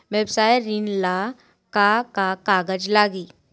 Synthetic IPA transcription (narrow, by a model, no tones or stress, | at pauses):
ʋebsajeɾinla | kakakaɡəd͡ʒlaɡiː